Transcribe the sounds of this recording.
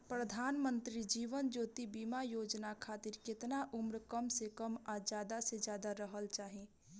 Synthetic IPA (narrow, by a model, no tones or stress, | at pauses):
pɾəd̪ʱaːnmə̃nt̪ɾid͡ʒiːʋənd͡ʒoːt̪ibiːmajoːd͡ʒnakʰaːt̪ɪɾkɪt̪naʔʊmɾkəmsekəmad͡ʒjaːd̪ased͡ʒjaːd̪aɾəɦəlt͡ʃaːɦẽː